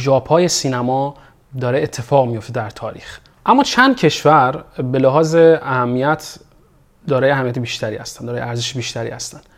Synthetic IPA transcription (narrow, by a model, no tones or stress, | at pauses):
d͡ʒɒːpʰhɒːjesiːnæmɒː | d̪ɒːɾeet̪ʰːe̞fɒːɣmijo̞ft̪ed̪æɾt̪ʰɒːɾiːx | ʔæmːɒːt͡ʃʰænd̪̥̚cʰe̞ʃvæɾbe̞læɦɒːzeæhæmːijæt̪ʰ | d̪ɒːɾɒːjeæhæmːijæt̪ebiʃt̪æɾiːhæ̰st̪ænd̪ɒɾːjeæɾzeʃebiːʃt̪æɾḭːhæst̪ænd̪